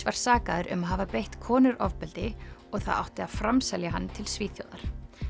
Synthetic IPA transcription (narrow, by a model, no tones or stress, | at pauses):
vaɾ̥saːkaðʏɾʔʏ̰maðɦaːvapejht̪kʰɔːnʏɾʔɔvpɛlt̪ɪɔɣθa̰ða̰wht̪ɪaðfɾamsɛljaɦanːt̪ʰɪlsviːθjo̰wðaɾ̥